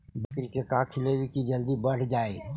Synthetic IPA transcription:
bəkɾikekaːkʰɪleːʋikid͡ʒəld̪ibəɽ̤d͡ʒaːḛ

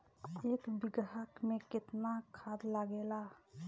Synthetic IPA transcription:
ekbɪɡɦakmeket̪nakʰad̪laɡela

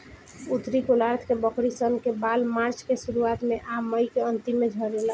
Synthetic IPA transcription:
ut̪ɾikolaɾt̪ʰkebəkɽisənkebalmaɾt͡ʃkesuɾuat̪meʔamːəjkeənt̪imːed͡ʒʱəɾela

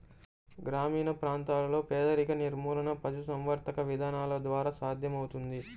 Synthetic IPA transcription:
ɡɾaːmiːnɐpɾaːnt̪aːlɐlo̞ːpɛːd̪ɐɾikɐniɾmuːlɐnɐpɐd͡ʒus̬ɐmʋɐɾt̪ɐkɐʋid̪ʱaːnaːlɐd̪ʋaːɾaːsaːd̪ʱjɐmɐwut̪und̪i

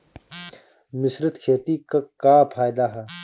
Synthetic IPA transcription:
mɪsɾət̪kʰeːt̪ikakaːpʰaːjd̪aɦɛ

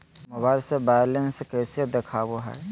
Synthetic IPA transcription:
mobaɪlsebajlenskɛːsed̪ekʰaːboɦɛ̰

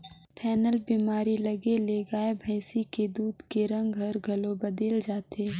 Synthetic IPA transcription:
pʰɛːnəlbiːmaːɾilɐɡeleːɡaːebʱɐɪsiked̪uːd̪keɾɐ̃ŋɡɡʱɐɾɡʱɐlobɐd̪eːld͡ʒaːt̪eː

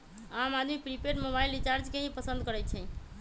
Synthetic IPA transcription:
amad̪ʱmipɾipeɾmoβailit͡ʃaɾd͡ʒkeɦĩpəsənd̪̚kəɾɛt͡ʃʰɛ̃

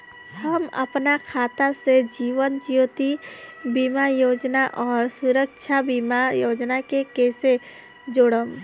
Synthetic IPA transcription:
həmɐ̰pnakʰaːt̪ased͡ʒiːʋənd͡ʒijot̪ibimajoːd͡ʒnaʔɔːɾsʊɾəkʃʰabiːmajoːd͡ʒnakekɛːse | d͡ʒoːɽəm

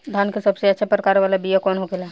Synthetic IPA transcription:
d̪ʱaːnkesɐbseɐtːʃʰapɾəkaːɾʋaːlabijakɔːnɦokela

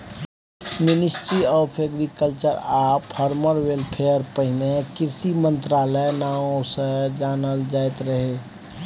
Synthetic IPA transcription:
mɪnɪsʈɾiɔːpʰeɡɾikəlt͡ʃəɾaːppʰɔɾməɾwelpʰejəɾpəɦɪnekɪɾsimə̃nt̪ɾaːləenaõsəd͡ʒaːnəld͡ʒaːjt̪ɾəɦeː

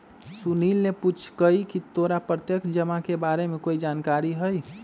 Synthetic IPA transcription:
sunilneput͡ʃʰkəikit̪oɾapɾət̪jəkd͡ʒəmakebaɾemekoid͡ʒaːnkaɾiɦəj

